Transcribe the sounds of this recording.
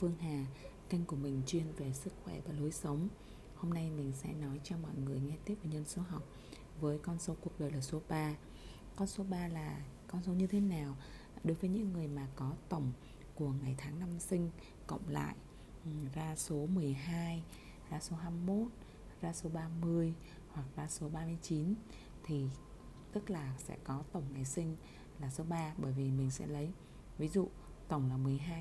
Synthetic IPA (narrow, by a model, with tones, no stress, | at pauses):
fɨ˧əŋɦaː˨˩k̪i˧ŋ̟ku˧˩əmï˨˩ŋ̟t͡ɕwi˧ənve˨˩sɨ˦˥k̚xwɛ˧˩vaː˨˩lo˨˦jsə˨˦wŋ͡m | ho˧mna˧jmï˨˩ŋ̟sɛ̰˧˥nɔ˨˦jt͡ɕɔ˧mɔ̰˧˨jŋɨ˨˩əjŋɛ˧t̪i˦˥əp̚ve˨˩ɲə˧nso˨˦ɦa˨˩wk͡p̚ | vəː˨˦jkɔ˧nso˨˦ku˨˩ək̚ɗəː˨˩jlaː˨˩so˨˦ɓaː˧ | kɔ˧nso˨˦ɓaː˧laː˨˩kɔ˧nso˨˦ɲɨ˧t̪ʰe˨˦naː˨˩w | ɗo˨˦jvəː˨˦jɲɨ̰˧˥ŋːɨ˨˩əjmaː˨˩kɔ˨˦t̪ə˧˩wŋ͡m | ku˧˩əŋa˨˩jt̪ʰaː˨˦ŋna˧msï˧ŋ̟ | kə̰˧˨wŋ͡mla̰ː˧˨j | zaː˧so˨˦mɨ˨˩əjɦaː˧j | zaː˧so˨˦ɦaː˧mːo˦˥t̚ | zaː˧so˨˦ɓaː˧mɨ˧əj | hwa˨˩k̚zaː˧so˨˦ɓaː˧mɨ˧əjt͡ɕi˨˦n | t̪ʰi˨˩ | t̪ɨ˦˥k̚laː˨˩sɛ̰˧˥kɔ˨˦t̪ə˧˩wŋ͡mŋa˨˩jsï˧ŋ̟ | laː˨˩so˨˦ɓaː˧ɓəː˧˩jvi˨˩mï˨˩ŋ̟sɛ̰˧˥lə˨˦j | vi˨˦zṵ˧˨ | t̪ə˧˩wŋ͡mlaː˨˩mɨ˨˩əjɦaː˧j